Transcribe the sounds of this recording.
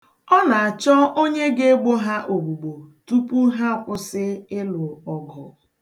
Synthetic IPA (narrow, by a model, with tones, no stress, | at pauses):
ɔ˦na˨a˨t͡ʃɔ˦ʔo˦ɲe˦ɡe˦ɡ͡bo˦ɦa˦ʔo˨ɡ͡bu˨ɡ͡bo˨tu˦pu˦ɦa˦˨kʷʊ˦sɪ˦ɪ˦lʊ˨ɔ˨ɡɔ̰˨